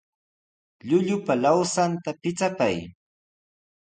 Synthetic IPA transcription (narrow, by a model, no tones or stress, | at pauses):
ʎʊʎʊpalawsant̪apɪt͡sapaj